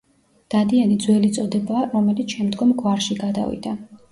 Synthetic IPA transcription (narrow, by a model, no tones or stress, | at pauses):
d̪̥ad̪ianid̪zwɛlit̪sʼɔd̪ɛbaːɾɔmɛlit̪sʰʃɛmd̪ɡɔmɡwaɾʃiɡad̪a̰vḭd̪a